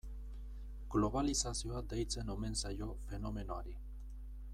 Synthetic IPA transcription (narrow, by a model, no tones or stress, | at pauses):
ɡ̥loβalisasjoad̪ejt͡senomensajofenomenoaɾi